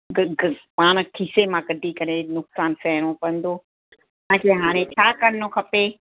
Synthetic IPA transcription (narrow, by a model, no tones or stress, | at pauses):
ɡɡpaːɽ̃̆kʰisemãkɐɖʱikɐɾenʊksaːnsɛɦɽ̃õpɐ̃n̆d̪oː | ãːkeɦaːɽ̃ẽt͡ɕʰaːkɐɾɪnokʰɐpe